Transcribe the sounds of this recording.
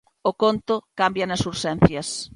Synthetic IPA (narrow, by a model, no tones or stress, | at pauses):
ʊkont̪ʊkambjɐnɐsuɾʃɛn̟θjɐs